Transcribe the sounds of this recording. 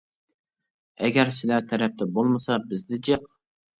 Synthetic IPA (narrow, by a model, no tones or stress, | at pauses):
ɛɡʲɛɾsɪlæt̪ʰɛɾɛp̚t̪ʰɛbolˠmɨsɑbɪzd̪ɪd͡ʒeq